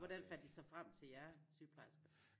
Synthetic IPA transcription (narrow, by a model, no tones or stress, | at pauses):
ʋɒd̥ænfæl̰d̥isɑ̈ɪfʁam̰t͡sʰe̝ljæɐsyːpʰlɑɪs